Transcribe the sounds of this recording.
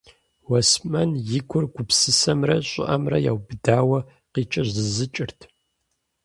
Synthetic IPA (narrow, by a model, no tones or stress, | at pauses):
wɐsmɐnjɪɡʷʰʊrɡʷʊpsɨsɐmrɐɕʼɪ̰ʔɐmrɐ̰ja̰ːwbɨdaːwɐ | qiːt͡ʃʼɐʑzɨzɨt͡ʃʼɪrtʰ